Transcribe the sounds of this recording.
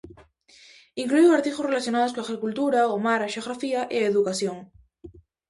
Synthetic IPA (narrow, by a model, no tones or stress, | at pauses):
iŋklujoaɾt̪ixosrelaθjonaðoskõaɣɾikult̪uɾaomaɾaʃeoɣɾafiaʔeaeðukasjoŋ